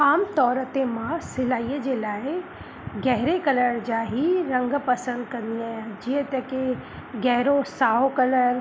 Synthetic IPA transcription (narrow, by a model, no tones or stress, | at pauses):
aːmt̪ɔːɾət̪emãsɪlaːijd͡ʒelaːɪ | ɡɛɦɪɾekɐləɾd͡ʒaːɦiɾɐ̃ŋɡpɐsə̃nd̪̚kɐ̃nd̪iaːɦd͡ʒiə̃t̪ɐke | ɡɛɦɾosaːɦokɐləɾ